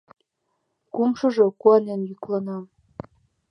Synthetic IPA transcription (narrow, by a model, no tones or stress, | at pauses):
kumʃɤ̆ʒɤ̆kuɑnenjyklɑnɑm